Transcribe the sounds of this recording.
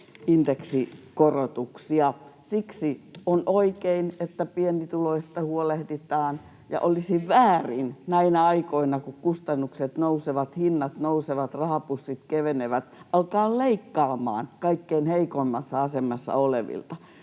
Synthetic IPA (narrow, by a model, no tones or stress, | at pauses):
ind̪eksikorot̪uksiɑsiksionoikeinet̪ːæpient̪it̪uloist̪ɑhuolehd̪it̪ɑːn | jɑ̰ʔolisiʋʋæːrḭnnæinæɑikoinɑkukkust̪ɑnːukset̪nouseʋɑt̪hinːɑt̪nouseʋɑt̪rɑhɑpusːit̪keʋeneʋæt̪ʔɑlkɑːlleikːɑːmˑɑ̰ːnkɑikːeinheikoimːɑsːɑɑsemːˑɑsːɑ̰olḛʋḭlt̪ɑ